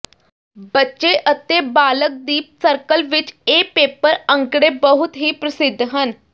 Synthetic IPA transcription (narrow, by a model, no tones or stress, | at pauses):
bətːʃeːʔət̪eːbaːlək̚d̪iːp̚səɾkəlʋɪt͡ʃeːpeːpəɾə̃ŋkɽeːbəɦʊt̪ɦiːpɾəsɪd̪ʱːɦən